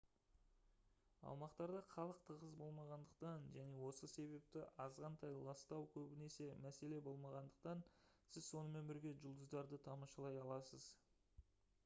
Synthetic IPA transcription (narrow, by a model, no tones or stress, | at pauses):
ɑ̰wmɑqt̪ɑɾd̪ɑχʰɑlˠəq̚t̪ʰəʁəzbo̞lˠmɑʁɑnd̪əq̚t̪ɑnʒæne̞wo̞səse̞βe̞p̚t̪ɪʔɑzʁɑnt̪ʰɑjlˠɑst̪ɑwkʲʰɵbɪne̞se̞mæse̞le̞bo̞lˠmɑʁɑnd̪əq̚t̪ɑnsɪzso̞nəme̞nbɪɾɡʲe̞ʒʊlˠd̪əzd̪ɑɾd̪ət̪ʰɑmɑʃɑlˠɑjɑlˠɑsəz